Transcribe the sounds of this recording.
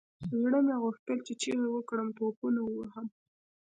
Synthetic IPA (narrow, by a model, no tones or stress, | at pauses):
zɽəmeaɣuxt̪əlt͡ʃet͡ʃeɾewəkɽəmt̪opunawəwaɦəm